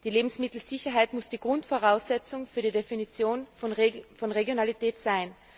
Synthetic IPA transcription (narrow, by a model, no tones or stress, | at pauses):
d̥iːleːbm̩smɪtl̩z̥ɪçɐɦaɪtmʊsd̥iːɡʁʊntfoʁaʊsɛt͡sʊŋfyːɐdidefinit͡sjoːnfnfɔnʁeɡjonalitɛːtsaɪn